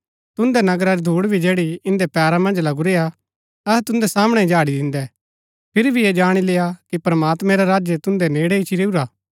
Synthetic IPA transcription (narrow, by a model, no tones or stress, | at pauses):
t̪ʊ̃nd̪ɛnɐɡɾaɾid̪ʱuːɽbʱid͡ʒeːɽiɪ̃nd̪ɛpɛːɾamɐ̃nd͡ʒlɐɡuɾeːa | ɐɦɛt̪ʊ̃nd̪ɛsaːməɽ̃ɛd͡ʒaːɽid̪ɪ̃nd̪ɛ | pʰɪɾbʱied͡ʒaːɽ̃ileːjakipɾɐmaːt̪mɛ̃ɾaɾaːd͡ʒjət̪ʊ̃nd̪ɛneːɽɛɪt͡ʃʰiɾeːuɾaː